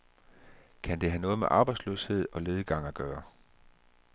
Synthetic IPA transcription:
kʰænd̥e̝ɦænɔ̽ːð̞̩ˠmeʔɑ̈ːb̥ɑ̈ɪdslø̰she̝ð̞̰ˠɒ̽le̝ːð̞ˠəɡ̥ɑ̈ŋ̰æɡ̥ɶːɐ

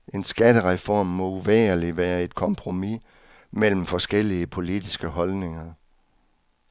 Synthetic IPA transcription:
e̝nsɡ̥æd̥əʁɛfɒːmːɒ̽uʋɛːɐliʋæːɐe̝d̥̚kʰɒ̽mpʰʁo̝mi | mel̰m̩fɒ̽sɡ̥el̰iəpʰo̝lid̥isɡ̥əɦɒ̽lne̝ŋɐ

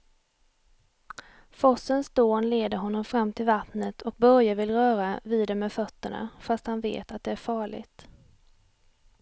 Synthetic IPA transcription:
fɔsənsd̪̥oːnleːd̪əɾɦɔnːɔmfɾamːt̪ʰɪlvat̪nət̪ʰɔk̚bœɾjavɪlɾœːɾaviːd̪ɛmɛfœt̪ːəɳa̰fast̪hanvḛːt̪at̪̚d̪ɛæɾfɑːɭɪ̰ɡt̪

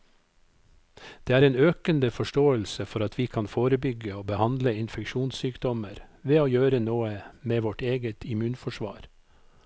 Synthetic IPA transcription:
d̪̥eːæːɾeːnøːkənd̪əfɔʃʈoːəlsəfɔɾɑt̪ʰʋiːkʰɑnfoːɾəbʏɡəoːbəhɑnd̪ləɪnfɛkʃuːnsyːkd̪ɔməɾʋeːoːjøːɾənoːəmeːʋɔʈeːɡət̪ʰɪmʉːnfɔʃʋɑ̰ːɾ

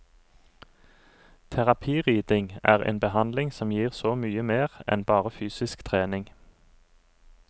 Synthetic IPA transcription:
t̪ʰæʁɑpʰiːʁiːd̪ɪŋæːʁḛːnbəhɑnd̪lɪŋsɔmjiːʁsoːmyːəmeːʁɛ̰nbɑːʁəfyːsɪskt̪ʰʁeːnɪŋ

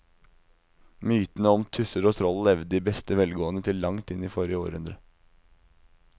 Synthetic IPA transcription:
myːt̪n̩əɔmt̪ʰʉsəɾoːt̪ʰɾɔllɛʋd̪əd̪iːbɛst̪əʋɛlɡoːənət̪ʰɪlːɑŋt̪ɪniːfɔɾɪəo̰ːɾəhʉnd̪ɾə

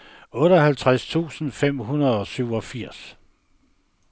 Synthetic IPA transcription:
ɔ̽ːɾɒhælt͡sʰʁast͡sʰṵːsn̩fem̰ɦunɐð̞ˠɒ̽syʊɒ̽fiɐ̰s

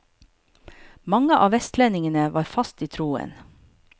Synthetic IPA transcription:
mɑŋəʔɑ̰ːʋɛst̪lɛnɪŋənəʋɑːɾfɑst̪iːt̪ʰɾuːə̰n

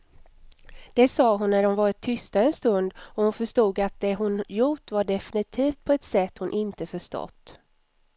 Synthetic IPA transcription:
d̪̥ɛsɑːɦʊnːæɖʊnvɑːɾɪt̪ʰːʏst̪aɛnst̪ɵnd̪ɔhʊnfœʂʈuːɡat̪̚d̪ɛɦʊnjuːʈvaɖɛfɪnɪt̪ʰiːft̪̚pʰɔɛt̪sɛt̪ːhʊnʔɪnt̪əfœʂʈɔ̰t̪ː

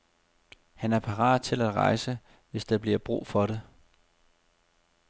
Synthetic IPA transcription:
hænæɐpʰɑ̈ʁɑ̰̈ːd̥̚t͡sʰe̝læd̥ʁɑ̈ɪsə | ʋe̝sd̥ɑ̈b̥liɐb̥ʁṵːfɒ̽ɾe

